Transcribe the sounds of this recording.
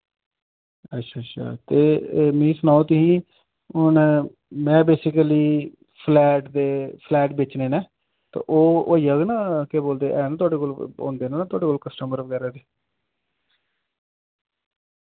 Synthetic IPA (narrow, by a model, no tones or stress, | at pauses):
ətːʃʰaːtːʃʰa̰ːt̪eːmĩːsənaːõt̪ɪɦĩː | ʊn | mɛ̃ːbeːsɪkəliː | pʰlɛːʈd̪eːpʰlɛːʈbeːt͡ʃnẽːnɛ̃ː | t̪ã̰ːʔoːijaːɡnaːkeːboːld̪eːʔɛːnãːt̪ʊaːɖeːkoːlo̰ːnd̪eːnãːnaːt̪ʊaːɖeːkoːlkəsʈəməɾʋəɡɛːɾaːd̪eː